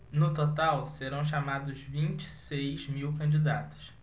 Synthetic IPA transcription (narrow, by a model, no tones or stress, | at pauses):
nʊt̪ot̪awseɾɐ̃w̃ʃamad̪ʊzvĩnt͡ʃi̥sejzmiwkɐ̃nd͡ʒid̪at̪ʊ̥s